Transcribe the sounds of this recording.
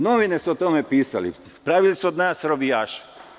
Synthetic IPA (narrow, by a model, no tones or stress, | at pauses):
noʋinesuot̪omepiːsa̰lḭ | pɾaʋilisuod̪naːsɾobijaːʃḁ